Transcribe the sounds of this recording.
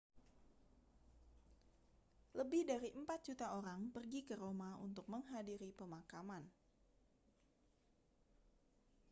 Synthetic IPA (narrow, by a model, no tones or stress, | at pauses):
ləbɪhdaɾiʔəmpat̪̚dd͡ʒ̥ut̪aoɾaŋpərɡikəɾomaṵnt̪ʊk̚məŋɦadiɾipəmakaman